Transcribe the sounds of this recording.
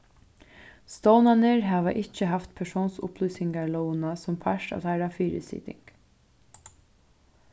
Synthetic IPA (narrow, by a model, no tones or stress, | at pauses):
st̪oːwnanəɹɦæːʋaʔɪt͡ʃːəɦaft̪pʰɛʂoːnsʊ̰pʰlyːsɪŋɡaɹlownasʊmpʰaʃʈa̰ajɾafiːɾɪ̰sḭːt̪ɪ̰ŋk